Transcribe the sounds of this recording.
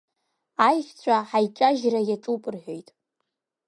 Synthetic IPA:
ajχʲt͡ɕʷʰʼaħajʈ͡ʂʼaʒrajaʈ͡ʂʼupʼɨrħᶣojtʼ

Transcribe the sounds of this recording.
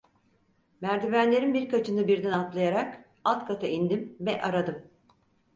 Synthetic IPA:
mæɾd̪ivænlʲe̞ɾinbiɾkʰat͡ʃʰɯnɯbiɾd̪ɛnat̪lˠajaɾak | at̪kʰat̪ʰaind̪imvɛʔaɾad̪ɯm

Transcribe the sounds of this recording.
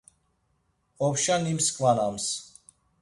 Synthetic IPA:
ɔpʃanimskʼvanams

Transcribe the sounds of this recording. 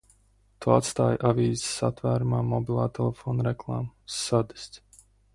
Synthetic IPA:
t̪uːat̪st̪aːjʔaviːzɪsa̰t̪væːɾumaːmɔbilˠaːt̪ɛlˠɛfoːnuɾɛklˠaːmsːad̪i̥st̪s

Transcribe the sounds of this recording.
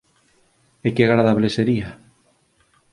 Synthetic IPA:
ekeaɣɾaðaβleseɾia

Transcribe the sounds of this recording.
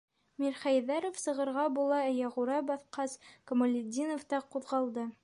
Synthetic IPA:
mʲiɾχæjðɑɾofsɤ̆ʁɤ̆ɾʁɑbulˠɑjɑʁuɾɑbɑθqɑskomolʲɪd̪ʲinoft̪ɑquðʁɑlˠd̪ɤ

